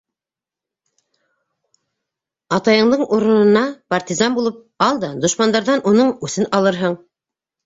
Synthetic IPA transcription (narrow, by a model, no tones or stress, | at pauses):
ɑt̪ɑjɤ̆ɴd̪ɤɴuɾɤ̆nɤ̆nɑpart̪ʲizɑnbulˠɤp̚ | ɑlˠd̪ɑd̪ŏʃmɑnd̪ɑɾðɑnʔunɤɴʉθɘnɑlˠɤɾɦɤɴ